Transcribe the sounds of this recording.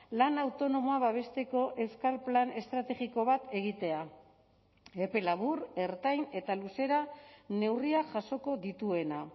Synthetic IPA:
lanawt̪o̞no̞mo̞aβaβ̞e̞st̪e̞ko̞ʔe̞wskalplane̞st̪ɾat̪e̞ɣiko̞βat̪e̞ɣ̞it̪e̞a | e̞pe̞laβ̞ure̞ɾt̪ajne̞t̪aluse̞ɾane̞wriaʝaso̞ko̞ðit̪ue̞na

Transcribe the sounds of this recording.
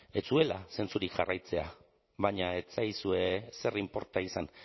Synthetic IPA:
e̞t͡sue̞lase̞nt͡suɾikʝarʔajt͡se̞a | βaɲae̞t͡sajsue̞se̞rimpo̞ɾt̪aisan

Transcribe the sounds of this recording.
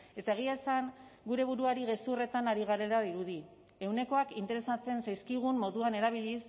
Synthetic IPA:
e̞t̪ae̞ɣ̞iaesaŋɡuɾe̞β̞uɾuaɾiɣe̞sure̞t̪anaɾiɣaɾe̞laðiɾuði | e̞wne̞ko̞akint̪e̞ɾe̞sat͡se̞nsajskiɣ̞umːo̞ðuane̞ɾaβ̞iʎis

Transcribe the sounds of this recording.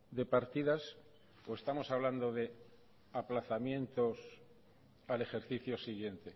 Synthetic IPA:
d̪e̞paɾt̪iðas | oe̞st̪amo̞saβland̪o̞ðe̞ | aplaθamjẽ̞nt̪o̞s | ale̞xe̞ɾθiθjo̞siɣje̞nt̪e̞

